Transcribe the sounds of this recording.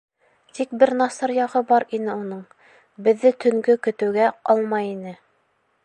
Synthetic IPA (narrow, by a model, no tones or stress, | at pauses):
t̪ik̚bɘɾnɑsɑɾjɑʁɤbɑɾinɘunɤɴ | bɘ̆ðːɘt̪ʰɵ̆ŋɡɵkɵ̆t̪ɘ̆wɡæɑlˠmɑjinɘ